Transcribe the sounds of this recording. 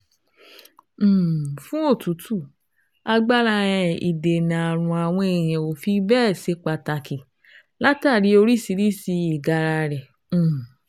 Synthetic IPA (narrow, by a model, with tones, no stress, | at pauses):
fũ˦o˦˨tu˨˦tu˦˨ | a˧ɡ͡ba˦ɾa˧ɾɛ̃˨ḭ˨de˨nã˨a˨ɾ̃ũ˧a˨w̃ɔ̃˧e˨j̃ɛ̃˨o˨fi˧bɛː˦˨se˨˧˦k͡pa˧ta˧ki˨ | la˦ta˦˨ɾi˨˦o˧ɾi˦˨si˨˧ɾi˦si˧i˨ɡa˧ɾa˧ɾɛ̃˨˦˨